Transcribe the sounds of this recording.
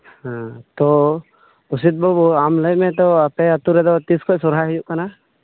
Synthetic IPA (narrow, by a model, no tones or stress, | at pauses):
hãt̪ɔ | usid̪̚bɔbamləjmɛ̃t̪ɔapɛət̪uɾɛd̪ɔt̪iskɔʔsɔɾɦaɦɛjuʔkana